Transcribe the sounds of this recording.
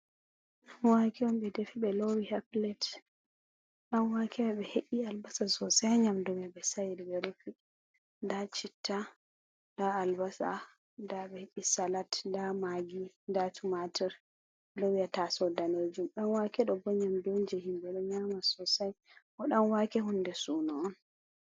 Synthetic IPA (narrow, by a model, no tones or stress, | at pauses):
wakiɔmɓɛdefiɓɛlowihaplɛt | ɗanwakʰɛmɛɓɛheʔialbasasɔsaɲamdɔmɛbɛsajdwɛɾufi | ndat͡ʃitʰːa | daːlbasa̰ | ndaɓɛheʔisalatndamaɡi | ndatumatɛɾ | lowiatasɔdaned͡ʒumɗanwakɛɗɔbɔɲamdond͡ʒɛhimbɛɗɔɲamasɔsajʔɔɗanwakɛɦundɛsunɔɔn